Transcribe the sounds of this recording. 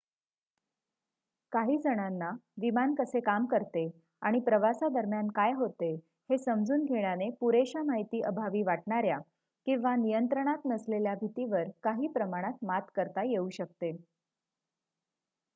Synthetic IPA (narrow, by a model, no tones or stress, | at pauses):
kaɦiːd͡zəɽ̃anːaʋimankəsekamkəɾt̪e | aɽ̃ipɾəʋasad̪əɾmjankajɦot̪e | hesəmd͡zʱuːnɡʱeɽ̃janepuɾeɕamaɦit̪iːʔəbʱaʋiːʋaʈɳaɾja | kĩʋanijənt̪ɾəɽ̃at̪nəsleljabʱit̪iʋəɾkaɦiːpɾəmaɽ̃at̪mat̪kəɾt̪ajeuːɕək̚t̪e